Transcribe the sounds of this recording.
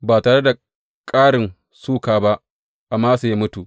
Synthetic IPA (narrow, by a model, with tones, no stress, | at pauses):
baː˨taː˨ɽe˦da˨ | kʼaː˦ɽɪ˨n | suː˦kaː˨ba˦ʔ | ʔa˨mːaː˦su˨ja˦mʊ˦tu˨ʔ